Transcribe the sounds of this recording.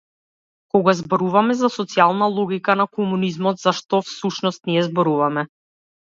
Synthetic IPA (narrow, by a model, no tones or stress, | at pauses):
kɔɡazbɔɾuvamɛzasɔt̪sialˠnalˠɔɡikanakɔmunizmɔt̪z̥aʃt̪ɔfsuʃnɔst̪niɛzbɔɾuvamɛ